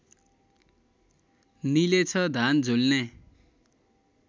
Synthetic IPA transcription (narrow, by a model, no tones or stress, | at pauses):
nilet͡sʰʌd̪ʱand͡zʱolne